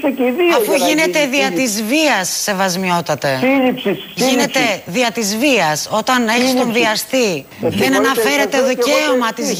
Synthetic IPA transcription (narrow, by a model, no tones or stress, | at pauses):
ɐfuʝine̞t̪e̞ðiɐt̪izviɐsːe̞vɐzmio̞t̪ɐt̪e̞iɾip | ʝʝine̞t̪e̞ðiɐt̪izviɐso̞t̪ɐne̞çist̪o̞nðiɐst̪i | ðenɐnɐfe̞ɾe̞t̪e̞ðoeomɐt̪iz